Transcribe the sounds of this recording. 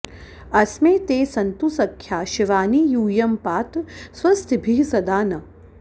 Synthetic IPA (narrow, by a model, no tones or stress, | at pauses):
ɐsmeːt̪eːsɐnt̪usɐkʰjaːʃiʋaːniːjuːjɐmpaːt̪swɐst̪ibʱiɦsɐd̪aːnɐ